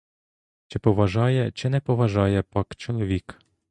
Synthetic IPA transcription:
t͡ʃɪpɔʋɐʒɑjɛt͡ʃɪnɛpɔʋɐʒɑjɛpɑkt͡ʃɔlˠɔʋʲik

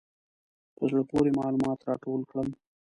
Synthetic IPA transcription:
p̪əzɽəpoɾemɑlumɑt̪ɾɑ̰ʈolkɽəm

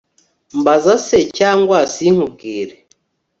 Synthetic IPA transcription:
mbazasecaːŋɡwasiŋ̥ub̚ɡiːɾe

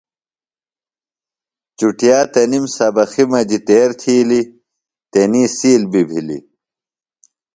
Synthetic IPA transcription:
t͡ɕuʈjaːt̪ɐnimsɐbɐximɐd͡ʑit̪eːɾt̪ʰiːli | t̪eniːsiːlbibʱilḭ

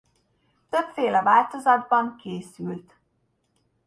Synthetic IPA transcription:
t̪ø̞pfeːlɛvaːlt̪o̞zɒd̪̚bɒŋkeːsylt̪

